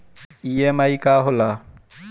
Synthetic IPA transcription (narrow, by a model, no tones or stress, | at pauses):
iemaikaːɦola